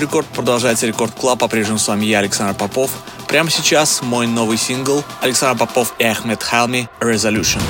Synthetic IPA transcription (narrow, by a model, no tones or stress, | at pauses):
ɾʲɪko̞rt̪̚pɾəd̪ɐlˠʐajɪt̪səɾʲɪko̞rt̪̚klˠapɐpɾʲe̞ʐnʲɪmsvamʲjaɐlʲɪksand̪rpɐpo̞f | pɾʲaməsʲɪt͡ɕasmo̞jno̞vɨjsʲinɡəlˠɐlʲɪksand̪ərpɐpo̞fiɐxmʲet̪xalˠmʲɪɾʲɪzɐlʲuʂɨn